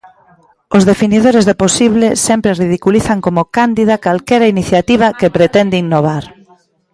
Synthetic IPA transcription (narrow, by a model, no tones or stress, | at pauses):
ozðefiniðoɾezðeposiβ̞lesɛmpɾerið̞ikuliθaŋkomʊkand̪ið̞ɐkalkɛɾɐiniθjat̪iβ̞ɐkepɾet̪ɛnd̪ɪinoβ̞aɾ